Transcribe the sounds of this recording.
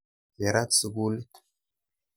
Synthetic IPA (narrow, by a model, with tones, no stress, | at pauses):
je˨ɾa˦t̪su˨ɡu˦l